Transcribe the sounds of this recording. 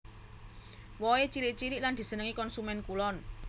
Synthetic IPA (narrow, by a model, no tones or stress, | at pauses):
wɔet͡ʃiɾiʔ̚t͡ʃiɾiʔland̪̥i̤sənəŋikɔnsumɛnkulɔn